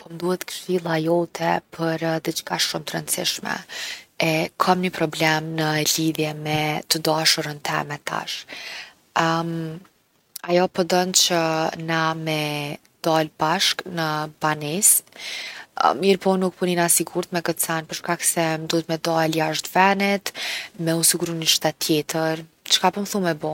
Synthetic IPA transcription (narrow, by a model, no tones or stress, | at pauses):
pɔmd̪uhɛt̪kʃilˠajɔt̪ʰɛpʰəɾd̪ət͡ʃkaʃumt̪əɾə̰nt̪sḭʃmɛ̰ɛkʰɔmnəpɾɔblɛmnəliðjɛmɛt̪əd̪aʃuɾənt̪ʰɛ̰mɛt̪a̰ʃ | ajɔpɔd̪ɔnt͡ɕənamɛ | d̪̥albaʃknəbanis | miɾpɔnuk̚puninasiɡuɾt̪mɛkət̪sɛnpəɾʃkaksɛmd̪uhɛt̪mɛd̪ɔɛljaʃt̪vɛnɛt̪mɛusiɡuɾuniʃt̪ɛt̪ʰːjɛt̪əɾ | t͡ʃkapɔmθumɛbɔ